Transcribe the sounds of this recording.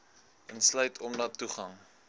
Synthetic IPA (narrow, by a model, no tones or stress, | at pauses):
ənslœɥtʰɔmdɐtːuχɐŋ